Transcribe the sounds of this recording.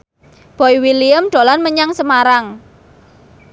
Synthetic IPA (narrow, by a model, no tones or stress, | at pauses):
b̥ɔiwiliəmɖ̪̥o̤lanməɲaŋsəmaɾaŋ